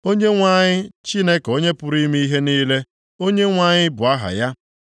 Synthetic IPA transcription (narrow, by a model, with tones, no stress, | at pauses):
o˦ɲe˦ŋʷa˦ɲɪ˦t͡ʃi˦ne˦ko˦ɲe˦pʊ˦ɾi˦mi˦i˦ɦe˦niː˦le˦ | o˦ɲe˦ŋʷa˦ɲɪ˦bʊ˨a˦ɦa̰˨ja˦